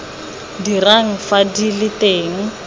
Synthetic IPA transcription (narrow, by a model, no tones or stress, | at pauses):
diraŋ̩fadilɪteːŋ̩